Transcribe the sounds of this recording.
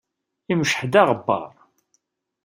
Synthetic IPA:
iməʃħd̪æʁəbːɑ̰ɾˤ

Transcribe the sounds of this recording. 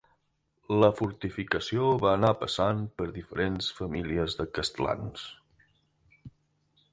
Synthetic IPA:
ləfuɾt̪ifikəsioβaənapəsanpəɾðifəɾensfəmiliəzðəkəst̪əla̰ns

